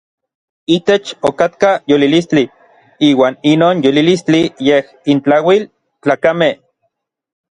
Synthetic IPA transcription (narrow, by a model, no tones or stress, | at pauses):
it̪et͡ʃokat̪kajolilist͡ɬi | iːwaːninoːnjolilist͡ɬijeh | int͡ɬawil | t͡ɬaːkame